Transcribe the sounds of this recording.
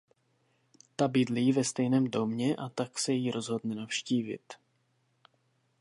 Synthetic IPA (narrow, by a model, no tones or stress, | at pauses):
t̪abɪdliːvɛst̪ɛjnɛːmdo̞mɲɛʔat̪aksɛjjiːɾo̞zɦo̞d̪nɛnafʃciːvɪ̰t̪